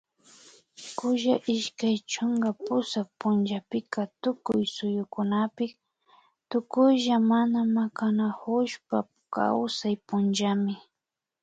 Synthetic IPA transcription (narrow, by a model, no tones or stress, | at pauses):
kʊʒaʔɪʃkajt͡ʃʊŋɡapʊsak̚pʊnd͡ʒapɪkat̪ʊkʊjsʊjʊkʊnapɪk | t̪ʊkʊjʒamanamakanahʊʃpa | ka̰wsajpʊnʒamɪ